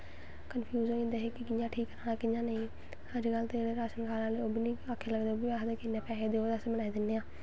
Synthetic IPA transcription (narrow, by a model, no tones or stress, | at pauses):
kənpʰijuːzoɪ̃nd̪eɦekɪkɪjãːʈʰiːkːəɾaːnaːkɪjãːnəĩ | həd͡ʒɡəlt̪eɾeɾaːʃənkʰaːlãːleoːbʱinĩːakʰːeːləɡd̪eːoːbʱiaːɦd̪eːkɪnːẽːpɛːɦed̪eːoːd̪əsbəɽaːid̪ɪnːeːãː